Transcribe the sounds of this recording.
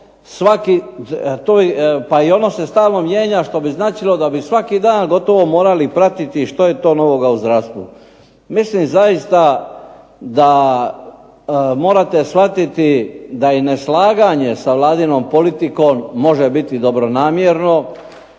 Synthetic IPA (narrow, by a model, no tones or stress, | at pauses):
sʋakit̪opaio̞no̞se̞st̪aːlˠno̞mje̞ːɲaʃt̪o̞biznaːt͡ʃilo̞d̪abisʋakid̪aːnɡo̞t̪o̞ʋo̞mo̞ːɾalipɾat̪it̪iʃt̪ojet̪o̞ːno̞ʋo̞ɡauzd̪ɾast̪ʋṵ | mislimzajist̪a | d̪a | mo̞ːɾat̪e̞sʋat̪it̪id̪aineslaːɡaɲe̞saʋlˠaːd̪ino̞ːmpo̞lit̪iko̞ːmːo̞ʒebit̪id̪o̞bɾo̞naːmjeɾno̞